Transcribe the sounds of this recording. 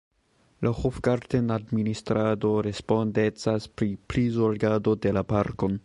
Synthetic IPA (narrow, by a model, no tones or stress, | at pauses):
lahofɡaɾtenadministɾado̞ɾe̞spo̞nde̞t͡saspɾiplizoɾɡado̞de̞lapaɾko̞n